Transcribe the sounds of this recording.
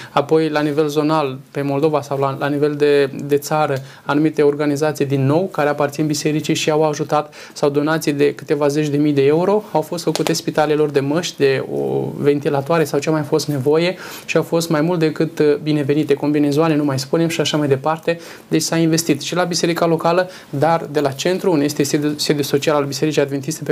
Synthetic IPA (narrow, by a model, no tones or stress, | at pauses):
apo̞jlanive̞lzo̞nalpe̞mo̞ld̪o̞vasawlalanive̞ld̪ed̪e̞t̪saɾə | anumit̪e̞o̞rɡanizat̪sijd̪inːo̞wkaɾe̞apart̪sinbise̞ɾit͡ʃiʃiawaʒut̪at̪ | sawd̪o̞nat̪sijd̪e̞kɨ̥t̪e̞vaze̞t͡ʃd̪e̞mijd̪e̞e̞uɾo̞awfo̞st̪fəkut̪e̞spit̪ale̞lo̞rd̪e̞məʃt̪ʲd̪e̞o̰ve̞nt̪ilat̪oaɾe̞sawt͡ʃemajfo̞st̪ne̞vo̞je̞ʃiawfo̞st̪majmult̪̚d̪ekɨt̪bine̞ve̞nit̪e̞ko̞mbine̞zoalenumajspunemʃiaʃamajd̪e̞part̪e̞ | d̪e̞t͡ʃʲsainve̞st̪it̪ʃilabise̞ɾikalo̞kalə | d̪ard̪e̞lat͡ʃe̞nt̪ɾuunejest̪esesed̪juso̞t͡ʃialalbise̞ɾit͡ʃiad̪ve̞nt̪ist̪ep